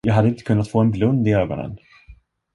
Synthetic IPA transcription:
jɑːɡɦad̪ːəɪnt̪ə̥kʰɵnːat̪foːɛnblɵnd̪ɪøːɡɔ̰nə̰n

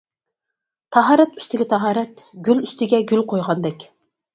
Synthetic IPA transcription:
t̪ʰɑɦɑːɾɛt̪y̥st̪ɪɡʲɛt̪ʰɑɦɑːɾɛt̪ɡʲylyst̪ɪɡʲɛɡʲylqʰojʁɑnd̪ɛkʲ

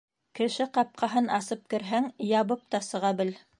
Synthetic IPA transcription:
kɘ̆ʃɘqɑp̚qʰɑɦɤnɑsɤp̚kɘ̆ɾɦæŋjɑβɤp̚t̪ɑsɤ̆ʁɑbɘl

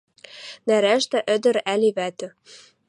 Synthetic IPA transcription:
næɾæʃt̪æʔɘ̆d̪ɘ̆ɾæliβæt̪ɘ̆

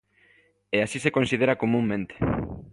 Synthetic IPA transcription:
easisekonsið̞eɾakomũŋmẽnt̪e̥

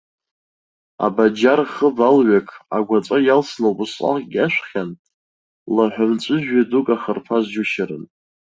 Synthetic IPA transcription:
a̰bad͡ʒarχəbalɥakʰʼaɡʷat͡sʷʼajalsnɨwbɨsqʼa̰χʼɡʲaʃʷχʲan | laħʷamt͡sʷʼɨʒᶣɥadukʼaχərpʰazd͡ʒʊʃaɾɨn

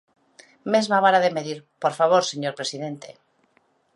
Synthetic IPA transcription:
mezmaβ̞aɾaðe̞meðiɾpoɾfaβ̞oɾseɲoɾpɾe̞siðe̞nt̪ḛ

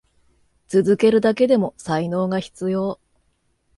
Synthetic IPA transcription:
t͡sɨzɨke̞ɾɯ̟d̪ake̞d̪e̞mo̞saino̞ːɡaçi̥t͡sɨjo̞ː

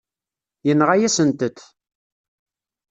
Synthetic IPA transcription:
jənːʁajæsənt̪ət̪

